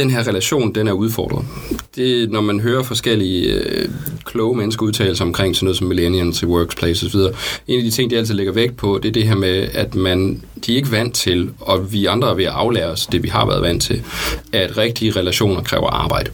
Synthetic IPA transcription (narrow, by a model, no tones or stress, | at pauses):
d̥enɦeɐʁɛlæɕo̝̰ːnd̥enæɐuð̞ˠfɒ̰ːd̥ʁɐðˠd̥e̝nɒmænɦøːɐfɒ̽sɡ̥el̰iə | kʰlɔ̽ːʊəmenəsɡ̥ɐuðˠt͡sʰɛ̰ːl̩sɐɒ̽mkʰʁeŋ̰sɒ̽nːɔːðˠsɒ̽mːilenjənswœːɡ̥spʰlesɒsɒʋið̞ˠɐːe̝ːnæd̥it͡sʰe̝ŋ̰d̥iæl̰t͡sʰið̩ˠle̝ɡ̥ɐʋeɡ̥̚pʰɒ̽d̥e̝ɐd̥e̝ɦeɐ̰meæd̥mænd̥iæɐe̝ɡ̥əʋæn̰d̥t͡sʰe̝lɒ̽ʋiɑ̈nd̥ʁɐɐʋe̝æʔɑ̈ʊlɛːɐɒsd̥e̝ʋiɦɑ̈ʋæ̰ɐðˠʋæn̰̥t͡sʰe̝læɐd̥ʁeɡ̥̚d̥iəʁɛlæɕo̝̰ːnɐkʰʁɛ̰ːʊɐ̰ʔɑ̈ːb̥ɑ̈ɪ̰d̥ə